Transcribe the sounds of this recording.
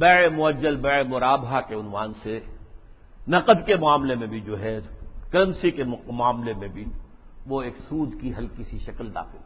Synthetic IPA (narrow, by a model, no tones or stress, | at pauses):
bɛemʊɐd͡ʒːəlbɛːemʊɾaːbɦakeʊnʋaːnse | nɐqəd̪kemʊaːmlemẽbʱid͡ʒoːɦɛkɐləmsikemʊaːmlemẽbʱi | ʋoeːksuːd̪kiɦɐlkisiʃɐkld̪a̰ːxɪl